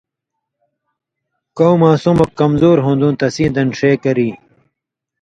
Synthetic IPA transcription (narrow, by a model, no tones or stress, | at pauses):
kowmãːsumɐkːɐmzoːɾɦõnd̪ũːnt̪ɐsĩːd̪ɐnʂeːkɐɾiː